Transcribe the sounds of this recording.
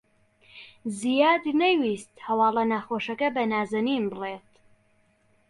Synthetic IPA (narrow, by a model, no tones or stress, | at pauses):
zijaːd̪nɐwist̪hɐwɑːlˠɐnaːxoːʃɐkɐbɐnaːzɐniːnbɨleːt̪